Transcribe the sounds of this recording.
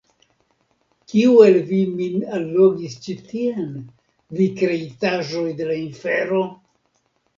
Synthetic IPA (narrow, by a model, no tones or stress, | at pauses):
kiuelviminalːoɡist͡ʃitien | vikɾe̞itaʒo̞jde̞lainfe̞ɾo̞